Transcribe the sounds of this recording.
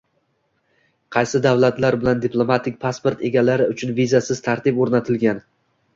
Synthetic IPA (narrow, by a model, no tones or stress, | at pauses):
qʰɑjsɪd̪avlat̪laɾbɪland̪ɪplˠo̞mat̪ʰɪk̚ʲpʰaspo̞ɾt̪e̞ɡʲalaɾɪʊt͡ʃʰʊnvizasɪz̥t̪ʰaɾt̪ɪpoɾnat̪ʰɪlɡʲan